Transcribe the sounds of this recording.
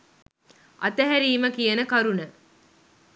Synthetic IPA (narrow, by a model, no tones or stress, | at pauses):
ʔɐ̰t̪ɐɦæɾiːməkijɐnəkɐɾunə